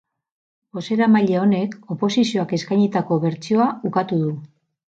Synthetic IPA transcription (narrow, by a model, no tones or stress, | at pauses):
bo̞se̞ɾamaʎeo̞ne̞ko̞po̞sisio̞ake̞skajɲit̪ako̞βe̞ɾt͡sio̞aukat̪uðu